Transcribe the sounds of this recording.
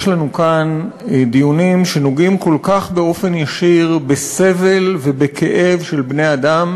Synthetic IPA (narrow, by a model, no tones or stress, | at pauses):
jʃlanukand̪ijunimʃe̞noɡimko̞lkaχbe̞o̞fe̞njaʃiʁbese̞ve̞lve̞bekʰe̞ʔe̞vʃe̞lbne̞adam